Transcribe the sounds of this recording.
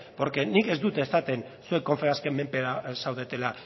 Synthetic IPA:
poɾke̞nike̞zd̪ut̪e̞ːsat̪e̞n | suekːo̞ɱfeaskemːe̞mpeɾasawð̞e̞t̪e̞la

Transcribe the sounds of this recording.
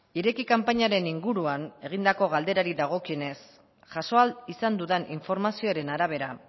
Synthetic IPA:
iɾe̞kikampaɲaɾe̞niŋɡuɾuane̞ɣ̞ind̪ako̞ɣald̪e̞ɾaɾiðaɣ̞o̞kiene̞s | ʝaso̞alisand̪uðenʔiɱfo̞ɾmasio̞ɾe̞naɾaβ̞e̞ɾa

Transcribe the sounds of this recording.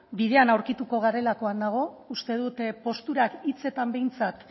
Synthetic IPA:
biðe̞anawɾkit̪uko̞ɣ̞aɾe̞lako̞and̪aɣ̞o̞ust̪e̞ð̞ut̪po̞st̪uɾakit͡se̞t̪ambe̞jnt͡sat̪

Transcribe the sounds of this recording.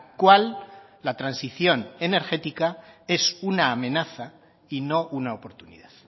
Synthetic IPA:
kwalː | at̪ɾansiθjo̞ne̞ne̞ɾxe̞t̪ikae̞sunaːmẽ̞naθa | ino̞ʔunaopo̞ɾt̪unḭðað

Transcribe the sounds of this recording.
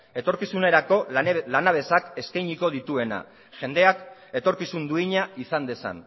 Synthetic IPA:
e̞t̪o̞ɾkisune̞ɾako̞lanaβ̞e̞sake̞skajɲiko̞ð̞it̪ue̞na̰ | ʝe̞nd̪e̞ake̞t̪o̞ɾkisund̪uiɲaisand̪e̞sa̰n

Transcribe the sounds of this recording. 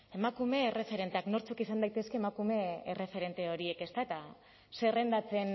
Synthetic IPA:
e̞makume̞ːre̞fe̞ɾe̞nt̪eakno̞ɾt͡sokisand̪ajt̪e̞skeːmakume̞ere̞fe̞ɾe̞nt̪eo̞ɾie̞ke̞st̪aet̪a | se̞re̞nd̪at͡se̞n

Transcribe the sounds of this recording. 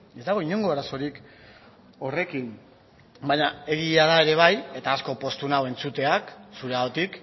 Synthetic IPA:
e̞zd̪aɣ̞o̞iɲo̞ŋɡo̞aɾaso̞ɾik | o̞re̞kin | bajɲae̞ɣiaðae̞ɾe̞β̞aje̞t̪aːsko̞po̞st̪unawe̞nt͡sut̪e̞aksuɾeaot̪ik

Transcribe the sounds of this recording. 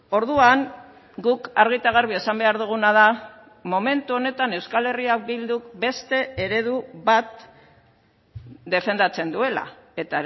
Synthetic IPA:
o̞ɾðuaŋ | ɡukaɾɣ̞it̪aɣ̞aɾβ̞iesambe̞aɾðuɣ̞unaða | mo̞me̞nt̪uo̞ne̞t̪ane̞wskale̞riabild̪ukbe̞st̪e̞eɾe̞ðuβat̪̚ | d̪e̞fe̞nd̪at͡se̞nd̪ue̞la̰e̞t̪a

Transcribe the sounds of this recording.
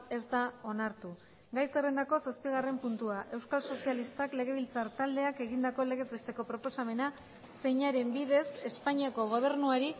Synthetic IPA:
e̞zd̪ao̞naɾt̪u | ɡajse̞re̞nd̪ako̞saspiɣ̞are̞mpunt̪uaʔe̞wskalso̞sialist̪akle̞ɣ̞e̞β̞ilt͡saɾt̪ald̪e̞ake̞ɣind̪ako̞le̞ɣe̞zbe̞st̪e̞ko̞pɾo̞po̞same̞na | se̞jɲaɾe̞mbið̞e̞se̞spaɲiako̞ɣ̞o̞β̞e̞ɾnuaɾi

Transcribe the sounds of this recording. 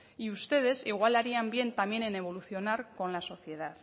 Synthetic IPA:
iust̪e̞ð̞e̞siɣ̞walaɾiambje̞nt̪amje̞nene̞β̞o̞luθjo̞naɾko̞nlaso̞θje̞ð̞að

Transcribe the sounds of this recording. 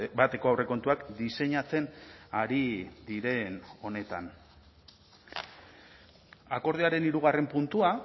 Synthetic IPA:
bat̪e̞ko̞awre̞ko̞nt̪uakd̪ise̞ɲat͡se̞naɾid̪iɾe̞no̞ne̞t̪a̰n | ako̞ɾð̞eaɾe̞niɾuɣ̞are̞mpunt̪ua

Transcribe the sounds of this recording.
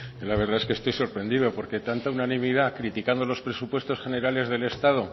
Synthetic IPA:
laβ̞e̞ɾðae̞skest̪o̞jso̞ɾpɾe̞nd̪iðo̞po̞ɾke̞t̪ant̪aunanĩmiðakɾit̪ikand̪o̞lo̞spɾe̞supwe̞st̪o̞sxe̞ne̞ɾale̞zðe̞le̞st̪að̞o̞

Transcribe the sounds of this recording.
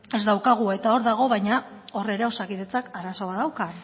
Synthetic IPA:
e̞zd̪awkaɣ̞ue̞t̪ao̞ɾðaɣ̞o̞βajɲao̞re̞ɾe̞o̞sakiðe̞t͡sakaɾaso̞βaðawka

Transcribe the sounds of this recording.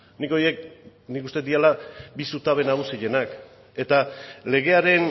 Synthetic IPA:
niko̞je̞k̚nikust̪et̪ialabisut̪aβe̞naɣusiʎe̞nak | e̞t̪ale̞ɣ̞e̞aɾe̞n

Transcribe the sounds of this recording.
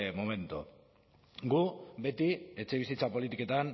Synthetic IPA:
mome̞nt̪u | ɡube̞t̪ie̞t͡ʃe̞β̞isit͡sapo̞lit̪ike̞t̪an

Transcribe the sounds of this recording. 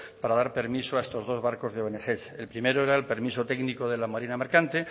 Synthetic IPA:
paɾaðaɾpe̞ɾmisoaest̪o̞zðo̞zβaɾko̞zðeoβenexe̞se̞lpɾime̞ɾoe̞ɾaelpe̞ɾmisot̪e̞ɡniko̞ð̞e̞lamaɾinameɾkant̪e̞

